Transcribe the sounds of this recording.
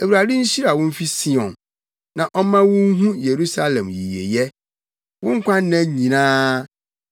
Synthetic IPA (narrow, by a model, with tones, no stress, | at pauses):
e˨wu˨ɾa˨dɪ˦ɲ̩˦ɕi˦ɾa˨wʊ̃˦m̩˦fi˦si˦ɔ̃˨n | nã˨ʔɔ˦mã˦wʊ̃˦ŋ˦ɦũ˦je˨ɾu˦sa˦lɛ̃˨mjḭ˨jḛ˨jɛ˦ | wʊ̃˦ŋ̩˦kʷʰã˦n˦nã˦ɲĩ˨nãː˦